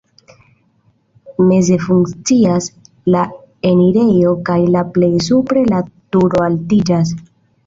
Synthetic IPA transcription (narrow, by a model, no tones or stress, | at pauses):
me̞ze̞fuŋkt͡sias | la | e̞niɾe̞jo̞kajlaple̞js̬upɾe̞latuɾo̞altid͡ʒas̬